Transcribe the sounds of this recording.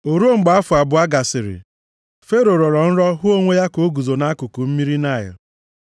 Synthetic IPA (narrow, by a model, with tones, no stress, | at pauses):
o˨ɾu˦o˦ŋ͡m̩˨ɡ͡ba˦fʊ˨a˨bʊ˨a˦ɡa˨sɪ˨ɾɪ̰˨ | fe˦ɾo˨ɾɔ˨ɾɔ˨n̩˦ɾɔ˦ɦʊ˦o˦ŋʷe˦ja˦ko˨o˦ɡu˨zo˨na˦kʊ˨ku˨m̩˦mi˦ɾi˦na˦˨jʊ̰˨